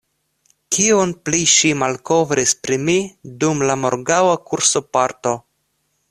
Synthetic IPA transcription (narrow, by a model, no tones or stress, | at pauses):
kionpliʃimalko̞vɾispɾimidumlamo̞ɾɡawakuɾso̞paɾto̞